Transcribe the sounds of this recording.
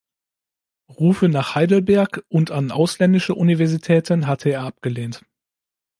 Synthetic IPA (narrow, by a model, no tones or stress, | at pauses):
ʁuːfənaːχhaɪdl̩bɛɐkʔʊntanʔa̰ʊslɛndɪʃəʔunivɛɐzitʰɛːtʰənɦatʰəeːɐʔap̚ɡ̥əleːnt